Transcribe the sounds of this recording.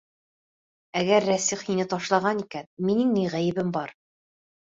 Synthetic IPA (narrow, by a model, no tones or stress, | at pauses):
æɡæɾːæsiχhinɘt̪ɒʃlˠɑʁɑnikænminɘŋnijʁæjɘ̆bɘmbɑɾ